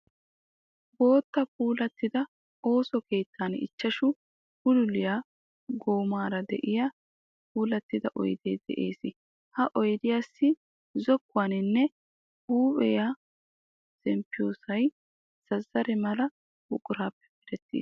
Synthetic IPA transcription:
bo̞ːt̪ːɐpuːlɐt̪ːɪd̪ɐ | o̞ːsɔkeːt̪ːanɪ̰t͡ʃːɐʃʊ | bʊlʊlɪjaː | ɡoːmaːɾɐd̪ɛ̰ʔɪja | puːlɐt̪ːɪd̪ɐʔɔ̰jd̪eːd̪̥ɛ̰ʔeːsɪ | hɐʔɔjd̪ɪjaːsːɪ | zɔkːʊwaːnɪnːɛ | uːbɛja | sɛmpːɪjoːsɐj | sɐzːɐɾɛmɐlɐ | bʊkʼʊɾaːpːɛ̥pɪɾɛt̪ːḭːs

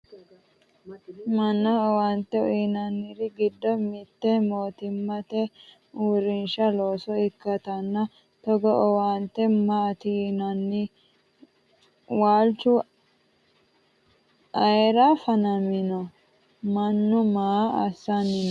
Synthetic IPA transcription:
mɐnːɐɔwant̪ːɛɔinɐnːɪɾɪɡɪd̪ːɔmɪt̪ːɛmoːt̪ɪmːɐt̪ɛ | uːɾɪnʃɐlo̞ːsɔɪkːɐt̪ɐnːɐ | t̪ɔɡɔʔɔwaːnt̪ːɛmat̪inɐnːɪ | waːlt͡ʃːʊ | ʔɐjɛɾafɐnɐmɪnɔ | mɐnːʊmaːɐ̰sːɐnːɪn

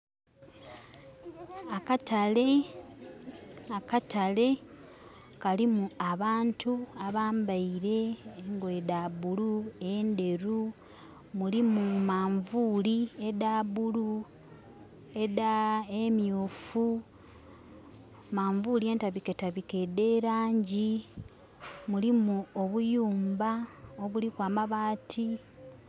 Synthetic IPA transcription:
akatale | akatale̞ | kalimuaβaːntʰuaβaːmbaiɾe̞ːŋɡwedaβuluende̞ɾu | mulimumaːɱvuːliedaβulu | edaemjuːfu | maːɱvulie̞ːntaβike̞taβike̞de̞ːɾaːɲɟi | mulimuo̞βujuːmbao̞βulikwaːmaβaːtʰi

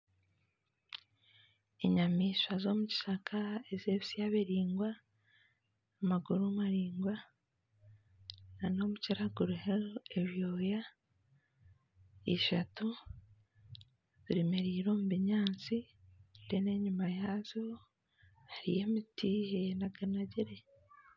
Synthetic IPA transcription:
eɲamiːʃazo̞muci̥ʃakʰaezeβisijaβeɾiːŋɡwa | maɡuɾumaɾiːŋɡwa | nano̞ːmuciɾaɡuɾuheoeβjo̞ːja | iʃatu | ziɾimeɾiːɾo̞ːmuβiɲaːnt͡si | dene̞ɲumajaːzo | haɾije̞mitiːhenaɡanaɟiɾe

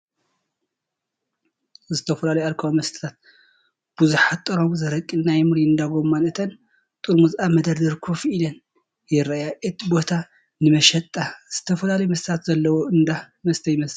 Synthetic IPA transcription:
zɨt̪ʰɐfɐlalɐjaɾkʰɐwomɐst̪ʰɨ̥t̪ʰat̪̚ | b̥uzuħat̪ʼɨɾo̞mzɐɾɐkʼːinajmɨɾiɨnd̪aɡo̞mːanɨt̪ʰɐn | t̪ʼuɾmuzʔamɐd̪ɐɾd̪ɐɾkʰofilɐn | jɪɾajajɛt̪bo̞t̪ʰa | nɨmɐʃɐt̪ʼːaz̥ɨt̪ʰɐfɐlalɐjmɐst̪ʰt̪ʰat̪zɐlːɐwoɨnd̪a | mɐst̪ʰɐjɪmɐsɨ

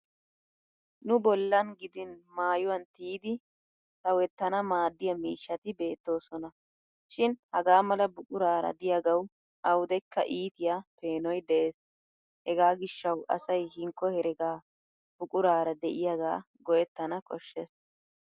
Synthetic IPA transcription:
nʊbɔlːɐnɡɪd̪ɪnmaːjʊwɐnt̪iːd̪ɪ | sɐwɛt̪ːɐnɐmaːd̪ːɪjɐmiːʃːɐt̪ɪbe̞ːt̪ːo̞ːsɔnɐ | ʃɪnhɐɡaːmɐlɐbʊkʼʊɾaːɾɐ̰d̪ɪjaɡɐw | ʔɐwʊd̪ɛkːɐ̰ʔiːt̪ɪjape̞ːnɔjd̪ɛʔeːs | hɛɡaːɡɪʃːɐwʔɐ̰sɐjhɪŋkːɔhɛɾɛɡaː | b̥ʊkʼʊɾaːɾɐd̪ɛʔɪjaɡaː | ɡɔjɛt̪ːɐnɐkʼɔʃːɛs

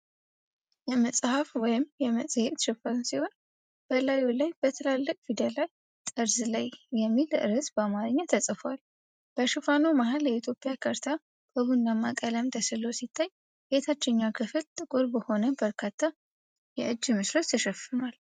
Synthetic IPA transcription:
jɛməsʼhafwɔjɪmjɛməsʼhet̪ʃɨfasiho̞n | b̥əlajolajbət̪ʰəlalːəkʼfid̪əlaj | t̪ʼɨɾzɨlajːɛmːilʔɨɾɨsbəmaɾɨɲːat̪ʰəsʼɨfwal | b̥əʃɨfanomaɦaljɛit̪ʰjo̞pʼjakʰəɾt̪ʰa | b̥əbunːamːakʼələmd̪ʰəsɨlosit̪ʰːaɲ | het̪ʰat͡ʃːɛɲːakʰɨfɨlt̪ʼɨkʼɨɾbəho̞nəbəɾkʰat̪ʰːa | jɛʔɨd͡ʒːmɨsɾət̪jʰəʃɛfɨnal

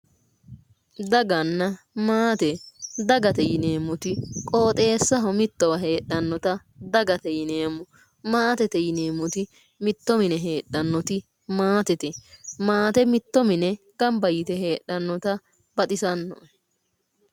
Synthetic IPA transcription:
d̪ɐɡɐnːɐ | maːt̪ɛd̪ɐɡɐt̪ɛjɪneːmːʊt̪ɪkʼo̞ːt̪ʼe̞ːsːɐɦɔmɪt̪ːɔwɐɦe̞ːɗːɐnːɔt̪ɐ | d̪ɐɡɐt̪ɛjɪneːmʊ | maːt̪ɛt̪ɛjɪneːmːʊt̪ɪ | mɪt̪ːɔmɪnɛɦe̞ːɗːɐnːɔt̪ɪ | maːt̪ɛt̪ɛmaːt̪ɛmɪt̪ːɔmɪnɛ | ɡ̥ɐmbɐjɪt̪ɛɦe̞ːɗːɐnːɔt̪ɐ | bɐt̪ʼɪsɐnːɔ̰

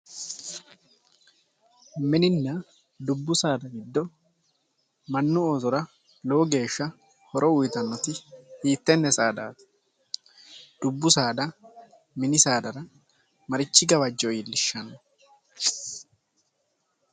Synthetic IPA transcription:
mɪnɪnːɐ | d̪ʊbːʊsaːd̪ɐɡɪd̪ːɔ | mɐnːʊoːzɔɾɐ | lowɡe̞ːʃːɐ | hɔɾʔɔwʊjɪt̪ɐnːɔt̪ɪhiːt̪ːɛnːɛsaːd̪a̰ːt̪ | d̪̥ʊbːʊsaːd̪ɐ | mɪnɪsaːd̪ɐɾɐ | mɐɾɪt͡ʃːɪɡɐwɐd͡ʒːɔjɪlːɪʃːɐnɐ

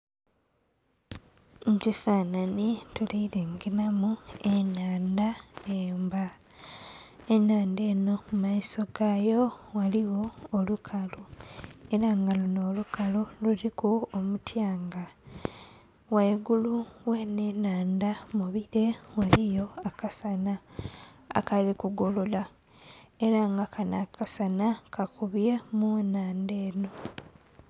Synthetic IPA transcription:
ɲcifaːnanituliiɾeŋɡinamuenaːndaeːmba | enaːndeːno̞mumaiso̞ɡajo̞waliwo̞ːlukʰalue̞ɾaŋɡaluno̞ːlukaloluɾikuomutʰjaːŋɡa | waiɡuluweːnenaːndamuβiɾe̞walijo̞akasana | a̰kalikuɡolola | eɾaŋɡakʰana̰kʰasanakakuβjemunaːndeːno̞

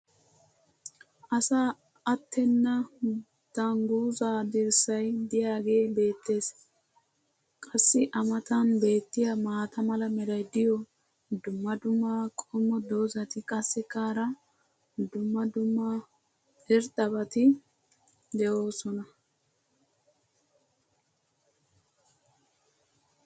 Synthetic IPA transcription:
ʔɐsa | ɐt̪ːɛnːɐ | d̪̥aŋɡuːzaːd̪ɛɾsɐjd̪ɪjaːɡe̞ːbe̞ːt̪ːe̞ːs | kʼɐsːɪʔɐmɐt̪ɐnbe̞ːt̪ːɪjamaːt̪ɐmɐlɐmɛɾɐjd̪ɪjɔ | d̪ʊmːɐd̪ʊmːaːkʼɔmːɔd̪o̞ːzɐt̪ɪkʼɐsːɛkaːɾɐ | d̪ʊmːɐd̪ʊmːa | ɛɾt̪ʼːɐbɐt̪ɪ | d̪ɛʔo̞ːsɔnɐ

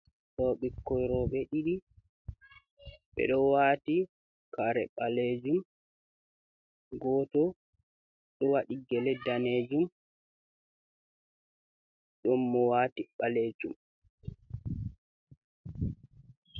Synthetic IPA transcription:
tɔɓɛkːɔjɾɔɓɛɗiɗi | ɓɛ̰ɗɔwaːti | kaɾɛɓaled͡ʒum | ɡɔːtɔ | ɗɔwaɗiɡɛlɛdaned͡ʒum | ɗɔmːɔwatiɓaleːd͡ʒum

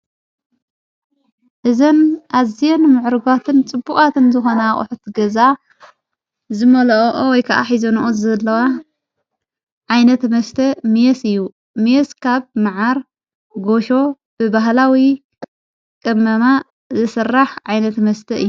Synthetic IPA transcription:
ʔɨzɐnʔazijenmɨʕɾɨɡat̪ʰɨnt͡sʼɨbːukʼat̪ʰɨnzɨxo̞naχʼʊ̰ħut̪ɡɐza | zɨmɐlɐʔʔowɔjkʰɐʔa̰ħizonʔozɐlːɐwa | ʕajnɐt̪mɐst̪ʰɐmijesɨjːu | mjeskʰaβmɨʕaɾ | ɡo̞ʃo̞ | b̥ɨbaɦlawi | kʼɨmːɐma | zɨsɨrːaħʕajnɐt̪mɐst̪ʰɐʔɨ̰jːu

